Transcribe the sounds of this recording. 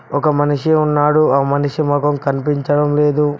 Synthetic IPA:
ɔkɐmɐniʂiunːaːɽuaːmɐniʂimɔkɐmkɐnipiɲt͡ʃɐɽɐmle̞ːd̪u

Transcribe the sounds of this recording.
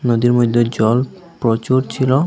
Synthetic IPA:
nod̪iɾmod̪ʱːed͡ʑɔl | pɾot͡ɕoɾt͡ɕʰilo

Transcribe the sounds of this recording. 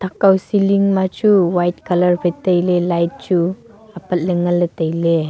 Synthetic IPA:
t̪ʰakawsiliŋmat͡ʃuwajt̚kʰalɐɾpʰətɐjlelajt̚t͡ʃu | apɐt̚ləŋɐlːətəjle

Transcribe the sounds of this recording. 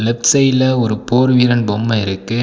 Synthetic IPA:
lɛpsɐɪlɐɔɾɯpoːɾʋiːɾɐnbɔmːɐɪɾɯkːɯ

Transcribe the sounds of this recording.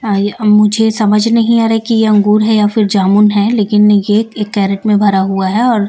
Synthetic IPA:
mʊd͡ʒʱesɐməd͡ʒʱnɐɦĩaːɾaɦɛkijeɐ̃ŋɡuːɾɦɛjafɪɾd͡ʒaːmʊnɦɛleːkɪnjeekːɛːɾəʈmẽbʱɐɾaɦuaɦɛɔːɾ

